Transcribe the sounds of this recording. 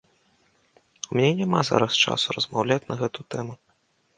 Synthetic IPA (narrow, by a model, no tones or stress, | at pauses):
umʲnʲɛnʲamaza̰ɾɐst͡ʂa̰surɐzmawlʲat͡sʲnɐɣɛt̪ut̪ɛmu